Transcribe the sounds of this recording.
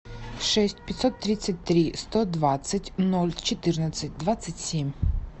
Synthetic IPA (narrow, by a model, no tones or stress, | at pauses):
ʂɛsʲtʲpʲɐt̪ʲsɔt̪ːɾʲit̪sɐt̚ʲt̪ɾʲist̪ɔd̪ʋat̪sɐtʲnɔlʲt͡ʃɪt̪ɪrnɐsʲɐt̚ʲd̪ʋat̪sɐtʲsʲimʲ